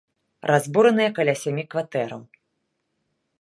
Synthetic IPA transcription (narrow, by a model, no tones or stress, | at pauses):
rʔazbuɾɐnɨjɐkalʲasʲamʲikvat̪ɛɾɐ̰w